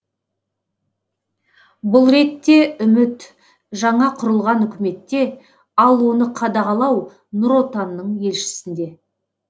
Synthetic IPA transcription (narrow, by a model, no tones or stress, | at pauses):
bʊlˠɾe̞t̪ːe̞ʔʏmɪt̪ | ʒɑɴɑqʰʊɾəlˠʁɑnʏkʲɪme̞t̪ːe̞ | ɑlˠwo̞nəqʰɑd̪ɑʁɑlˠɑw | nʊɾo̞t̪ɑnːəɴje̞lʃɪ̥sɪnd̪e̞